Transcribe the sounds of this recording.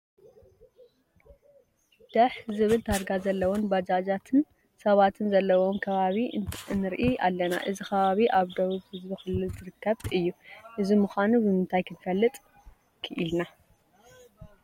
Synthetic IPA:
d̪̥ɐħzɨβɨlt̪ʰaɾɡazɐlːɐwonbɐd͡ʒad͡ʒat̪ʰɨn | sɐβat̪ʰɨnzɐlːɐwomkʰɐβaβinɨɾʔiʔa̰lːɐna̰ʔɨzikʰɐβaβiʔaβd̪owuzhɨzbɨxɨlɨlzɨɾɨkʰːɐβɨjːuʔɨzimuxʷanubɨmɨnt̪ʰajkʰɨnfɐlːɨt̪ʼ | kʰɨʔilna

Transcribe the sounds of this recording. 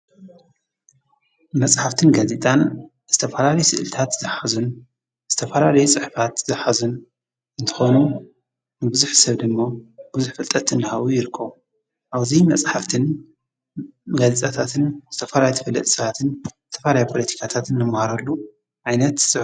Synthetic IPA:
mɐsʼħaft̪ʰɨnɡaze̞t̪ʼan | z̥ɨt̪ʰɐfɐlalɐjsɨʔɨlt̪ʰat̪zɨħazun | z̥ɨt̪ʰɐfɐlalɐjut͡sʼɨħfat̪z̥ɨħazun | ɨnt̪ʰɨ̥xo̞nu | nɨbɨzuħsɐβd̪ɨmːob̥ɨzuħfɨlt̪ʼɐt̪ɨndɨhaβujɪɾɨkʰːɐβu | ʔaβzimɐt͡sʼħaft̪ʰɨn | ɡazet̪ʼat̪ʰat̪ʰɨnz̥ɨt̪ʰɐfɐlajt̪ʰɨfɐlːɐt̪ʼsɐβat̪ʰɨnzɨt̪ʰɐfɐlajapʰolɐt̪ʰi̥kʰat̪ʰat̪ɨnːɨmhaɾɐlːu | ʕajnɐt̪sʼɨ

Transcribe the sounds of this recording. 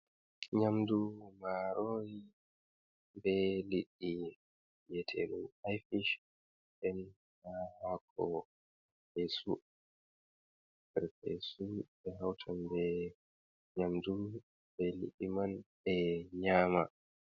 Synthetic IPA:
ɲamdumaɾoːji | bɛliɗːi | jɛtʰḛnuajfiʃ | ʔɛn | hahakʰɔ | pesu | bɛɾpɛ̰subɛɦawtʰanbɛ | ɲamdu | bɛlḭɗːimanbɛɲaːma

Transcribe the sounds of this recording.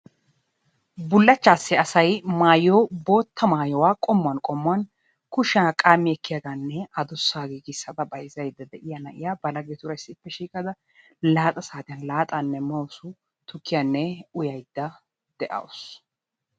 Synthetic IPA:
bʊlːɐt͡ʃːaːsːɪɐsɐjmaːjoːbo̞ːt̪ːɐmaːjɔwaːkʼɔmːʊɐnkʼɔmːɐn | kʊʃaːkʼaːmːɪɛkːɪjaɡ̪anːɛɐd̪ɔsːaːɡiːɡɪsːɐd̪ɐbɐjzɐjd̪ːɐd̪ɛʔɪjanɐʔɪjaːbɐlɐɡɛt̪ʊɾɐjsːɪɪpːɛʃiːkʼɐd̪ɐ | laːt̪ʼɐsaːt̪ɪjɐnlaːt̪ʼanːɛmɐwsʊ | t̪ʊkːɪjɐnːɛʊjɐjd̪ːɐ | d̪̥ɛʔɐ̰wɔs

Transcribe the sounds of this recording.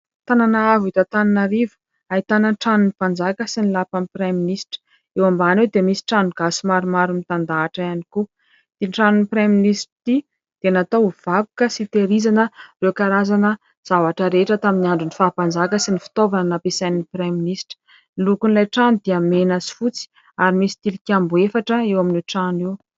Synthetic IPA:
t̪ananaavit̪at̪ananaɾivə̥ | ait̪anənʈ͡ʂanunipand͡zakəsinilapampɾeminisʈ͡ʂə̥ | ewambanewd̪emisi̥ʈ͡ʂanuɡasimaɾumaɾumit̪and̪aːʈ͡ʂəaniku | d̪̥inʈ͡ʂanunipɾeminisʈ͡ʂt̪i | d̪̥eanat̪ov̥aku̥kəsit̪eɾizanərewkaɾazanə | z̥avaʈ͡ʂəɾeʈ͡ʂət̪aminiaɳɖ͡ʐunifaːpand͡zakəsinifi̥t̪ovanənapesanipreminisʈ͡ʂə̥ | ilukunlajʈ͡ʂanud̪̥iamenazi̥fut͡si̥ | aɾimisi̥t̪ilikʲambuefaʈ͡ʂəewaminiʈ͡ʂanew

